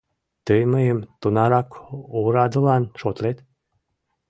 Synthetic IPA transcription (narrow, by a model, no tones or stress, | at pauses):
t̪ɨjməjəmt̪unɑɾakuɾad̪ulanʃot̪let̪